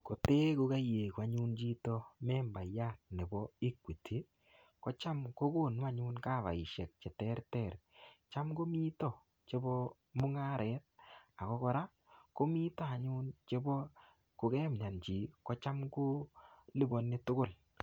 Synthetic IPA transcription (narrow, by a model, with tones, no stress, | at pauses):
ko˨te˦ko˨˦ka˦je˨kwa˨ɲu˦nt͡ʃi˦tɔ˦mɛ˦mba˨ja˦˨t̚ne˨bɔ˦i˦kwi˨tʰe˨˦ | kɔ˦t͡ʃa˦mko˦ko˦˨n˦a˦ɲʊ˦nka˦˨βa̰˨i˨ʃe˨k̚t͡ʃɛ˨tɛ˦ɾtɛ˦˨ɾt͡ʃa˦mɡo˦mi˦tɔ˦˨ | t͡ʃe˦bɔ˦ | mʊ˦ŋa˦ɾʔɛ˨˦t̚a˨kɔ˦kɔ˦ɾa˦ | ko˦mi˦ta˦a˨ɲʊ˦nt͡ʃe˦bɔ˦ | ko˨kɛː˦m˨ɲa˨nt͡ʃi˨kɔ˨˦t͡ʃa˦mko˦li˦bɔ˨nːɪ˦tʊ˦ɡʊ˦˨l